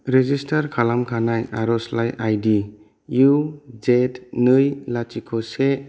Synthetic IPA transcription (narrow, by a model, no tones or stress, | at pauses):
ɾed͡ʒistʰaɾkʰalamkʰanajaɾɔslajʔajdi | jud͡ʒetnɯjlat͡ʃikʰɔse